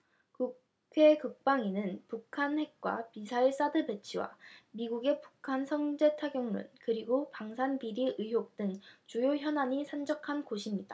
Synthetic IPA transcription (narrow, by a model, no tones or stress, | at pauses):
ku | kʰe̞kɯk̚p͈aŋinɯnpukʰanhe̞k̚k͈wa̰misʰaiɭs͈adɯbe̞t͡ɕʰiwa̰miɡuɡe̞pu̥kʰansʰʌŋd͡ʑe̞tʰaɡjʌŋnṵnkɯɾiɡopaŋsʰanpiɾiʔɯɦjok̚t͈ɯŋt͡ɕujoçjʌnaɲisʰand͡ʑʌkʰankoɕʰimɲida